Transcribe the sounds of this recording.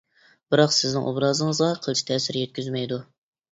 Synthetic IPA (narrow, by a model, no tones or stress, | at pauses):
b̥ɨɾɑqsɪznɪ̰ŋʔobɾɑːzɨŋəzʁɑqʰəlˠt͡ʃʰi̥t̪ʰɛːsɪɾjɛt̪̚ʲkʲyzmɛjd̪u